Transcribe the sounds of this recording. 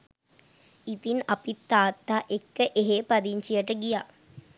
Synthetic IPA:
it̪inɐpit̪ːaːt̪ːaːʔekːəʔeɦeːpɐd̪iɲt͡ʃijɐʈəɡijaː

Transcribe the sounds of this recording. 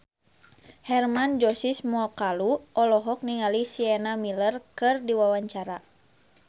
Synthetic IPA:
hɛrmand͡ʒɔsismɔkaluʔɔlɔɦɔk̚niŋalisiɛnamilərkɨrdiwawaɲt͡ʃaɾa

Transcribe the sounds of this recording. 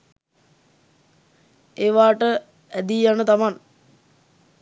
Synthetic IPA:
eːʋaːʈə | æd̪ijanət̪aman

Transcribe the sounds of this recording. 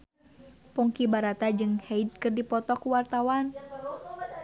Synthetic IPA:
pɔŋkibaɾat̪ad͡ʒɨŋhɛjd̚kɨrdipɔt̪ɔkuwart̪awan

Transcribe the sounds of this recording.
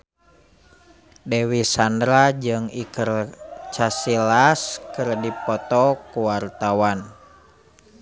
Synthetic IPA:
dewisandɾad͡ʒɨŋikərt͡ʃasilaskɨrdipɔt̪ɔkuwart̪awan

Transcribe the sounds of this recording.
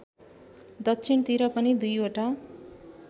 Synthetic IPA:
d̪ʌtːt͡sʰint̪iɾʌpʌnid̪ujoʈa

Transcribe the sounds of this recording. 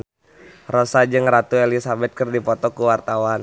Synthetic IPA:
rɔsad͡ʒɨŋɾat̪uelisabɛt̪̚kərdipɔt̪ɔkuwart̪awan

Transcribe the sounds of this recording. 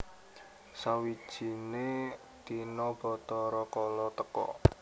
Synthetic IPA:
sawid̥ʒ̥i̤ne | t̪inɔb̥ɔ̤t̪ɔɾɔkɔlɔt̪əkɔ̰

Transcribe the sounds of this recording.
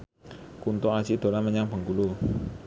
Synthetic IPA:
kunt̪oḁt͡ʃid̪̥o̤laməɲaŋbə̤ŋkulu

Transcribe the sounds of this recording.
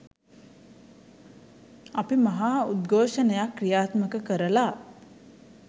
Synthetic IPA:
apimaɦaːud̪ɡʱoːʃənəjakːrijaːt̪məkəkəɾəla

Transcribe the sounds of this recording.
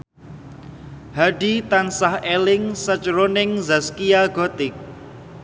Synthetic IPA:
haɖit̪ansahelɪŋsət͡ʃɾonɪŋzaskiaɡɔt̪ɪk̚

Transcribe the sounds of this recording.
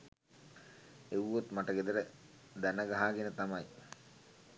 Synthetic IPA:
eʋːot̪maʈəɡed̪əɾə | d̪ænəɡaɦaːɡenət̪amɐj

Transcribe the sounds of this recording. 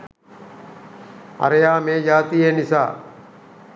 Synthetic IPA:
ɐ̰ɾejaːmeːd͡ʒaːt̪ijenisa̰ː

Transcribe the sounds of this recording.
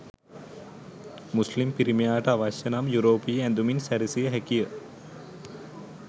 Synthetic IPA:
muslimpiɾimijaːʈɐaʋaʃjɐnamjuɾoːpijəɛ̃nd̪uminsæɾisijəɦɛkijə

